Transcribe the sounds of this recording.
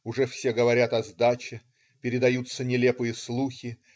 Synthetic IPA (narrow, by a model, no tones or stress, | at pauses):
ʊʐɛfsʲeɡəvɐɾʲat̪ɐzd̪at͡ɕɪ | pʲɪɾʲɪd̪ɐjut̪sənʲɪlʲe̞pɨjəslˠuxʲɪ